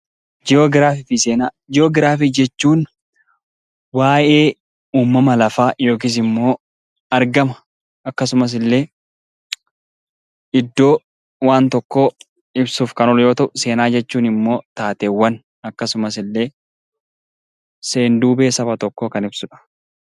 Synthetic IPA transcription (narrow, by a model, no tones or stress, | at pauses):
d͡ʒɪoːɡɪɾaːfɪfiseːna | d͡ʒɪjoːɡɪɾaːfid͡ʒɛt͡ʃːuːn | waːʔe̞ː | uːmːɐmɐlɐfaːjo̞ːk̬iːs̬ɪmːo̞ː | ɐɾɡɐmɐ | ɐkːɐsʊmɐs̬ɪlːe̞ː | ɪd̪ːo̞ː | waːnt̪ɔkːo̞ː | ɪbsuːfkɐnɔljo̞ːt̪ɐʔʊse̞ːnaːd͡ʒɛt͡ʃːuːnɪmːo̞ːt̪aːt̪eːwːɐn | ɐkːɐsʊmɐsɪlːe̞ː | se̞ːnd̪uːbeːsɐfɐt̪ɔkːoːkɐnɪbsʊᶑɐ̥